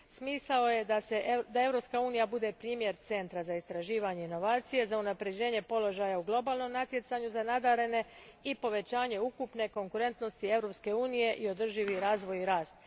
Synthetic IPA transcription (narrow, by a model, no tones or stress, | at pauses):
smiːslao̞je̞d̪ase̞ʔd̪ae̞vɾo̞pskauːnijabud̪e̞pɾiːmje̞ɾt̪se̞nt̪ɾazaist̪ɾaʒiːʋaɲe̞ino̞ʋaːt̪sije̞zaunapɾe̞d͡ʑe̞ːɲe̞po̞lo̞ʒajauɡlˠo̞baːlˠno̞mnat̪je̞t̪saɲuzanad̪aɾe̞ne̞ipo̞ʋe̞t͡ɕaːɲe̞ukupne̞ko̞ŋkuɾe̞nt̪no̞st̪ie̞vɾopske̞uːnije̞ʔio̞d̪r̩ʒiʋiɾaːzʋo̞jiɾaːst̪